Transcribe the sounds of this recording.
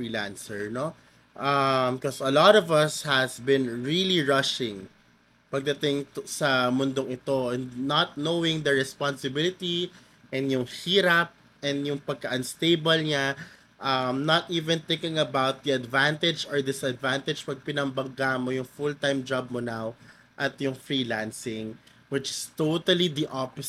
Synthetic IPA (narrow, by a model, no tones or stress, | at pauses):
fɹilã̰nsɛɹno | ʔɐmkɔsɐlɔt̪ɔvɐshɐsbɪ̃nɹiliɹʌʃɪ̃ŋ | pɐɡ̚d̪ɐt̪ɪŋt̪sɐmʊnd̪oŋɪt̪o̞ʔɛnnɐt̪̚nowɪ̃ŋd̪ɐɹɛspansɪbɪlɪt̪i | ʔɛ̃njʊŋhiːɾɐp̚ | ʔɛnd̪jʊŋpɐɡ̚kɐʔɐnst̪eɪbɐlɲa | ʔɐmnɐt̪ʔiːvɛ̃nt̪ɪkɪ̃ŋɐbawt̪̚d̪iɐd̪vant̪ɛd͡ʒɔɹd̪ɪsɐd̪vant̪ɛd͡ʒpɐɡ̚pɪnɐmbɐŋɡamojʊŋfʊlt̪ajmd͡ʒab̚monaw | ʔɐt̪jʊŋfɹiːlansɪŋ | wɪt͡ʃɪst̪ot̪ɐlid̪iʔɔp